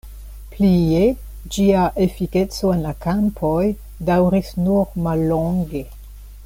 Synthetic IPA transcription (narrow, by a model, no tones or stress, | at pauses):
plie | d͡ʒiaʔefiket͡soenlakampʰoj | dawɾisnuɾmalːoŋɡe